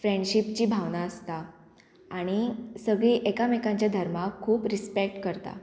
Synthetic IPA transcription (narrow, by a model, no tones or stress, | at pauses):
fɾẽɳɖɕipt͡ɕiːbʱaʋnaəst̪a | aɽ̃isəɡɭiʔekamekãɲt͡ɕjad̪ʱəɾmakʰːuːpɾispek̚ʈkəɾt̪a̰